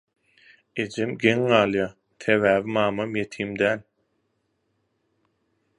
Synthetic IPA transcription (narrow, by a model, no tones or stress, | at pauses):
ed͡ʒemɡeŋːɑːlˠjɑː | t̪ʰeβæːβimɑːmɑmjet̪ʰiːmd̪æːl